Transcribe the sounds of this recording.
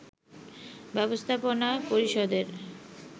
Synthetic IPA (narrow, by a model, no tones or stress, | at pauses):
bɛbost̪ʰaponapoɾiʃod̪eɾ